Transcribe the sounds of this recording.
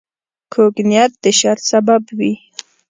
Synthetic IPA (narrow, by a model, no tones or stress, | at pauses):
kʰoɡnjat̪̚d̪əʃaɾt̪sababwi